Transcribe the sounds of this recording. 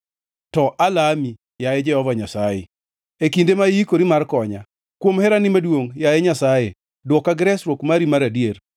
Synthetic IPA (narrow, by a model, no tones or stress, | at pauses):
tɔʔalami | jajɛd͡ʒɛhɔvaɲasajɛ̰ | ekindemaiikoɾimarkɔɲa | kwomhɛɾanɪmadwoŋjajɛɲasaje | dwɔkaɡɪɾɛsɾwokmaɾimaɾadjer